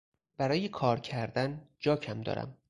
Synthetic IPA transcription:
b̥æɾɒːjekʰɒːɾcʰæɾd̪ænd͡ʒɒːcʰæmd̪ɒ̰ːɾæ̰m

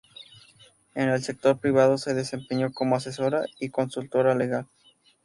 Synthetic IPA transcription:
ene̞lse̞k̚t̪o̞ɾpɾiβaðo̞se̞ðe̞se̞mpeɲo̞ko̞moas̬eso̞ɾaiko̞nsult̪o̞ɾale̞ɣal

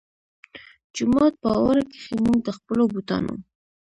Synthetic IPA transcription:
d͡ʒʊmɑt̪̚pəawaɾake̥xemund̪əxpəlobut̪ɑ̰no̰

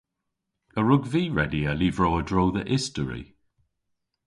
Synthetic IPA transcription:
əɹʊɡviːɹɛdiəliːvɹowədɹowðəʔɪstəɹḭ

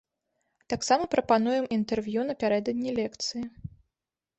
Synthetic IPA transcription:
t̪aksamɐpɾʔɐpan̪ujɛmʔint̪ɛrvʲjunɐpʲaɾɛd̪ɐd̪ʲnʲilʲɛkt̪sɨji

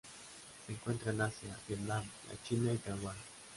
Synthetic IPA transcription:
seeŋkwent̪ɾanasjaβjet̪nam | a̰t͡ʃinait̪awan

